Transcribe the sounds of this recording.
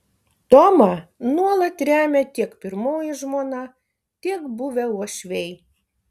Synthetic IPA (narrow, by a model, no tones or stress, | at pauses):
t̪oːmɐnuɔlˠɐt̪ɾʲæːmʲɛt̪ʲiɛkpʲɪɾmoːjɪʒmoːnɑ | t̪ʲiɛkbʊʋʲɛuɔʃʲʋʲɛɪ